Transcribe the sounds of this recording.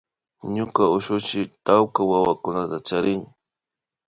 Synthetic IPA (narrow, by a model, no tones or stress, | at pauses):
ɲʊkaʊʃʊt͡ʃɪt̪awkawawakʊnat̪at͡ʃaɾɪŋ